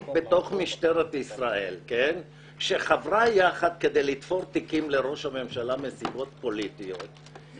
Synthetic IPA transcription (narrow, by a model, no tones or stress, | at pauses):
bet̪o̞χmiʃt̪eʁet̪isʁaʔe̞lken | ʃeχavʁajaχad̪̚ke̞d̪ejlit̪fo̞ɾt̪ikimleʁo̞ʃhame̞mʃalamesibo̞t̪po̞lit̪iot̪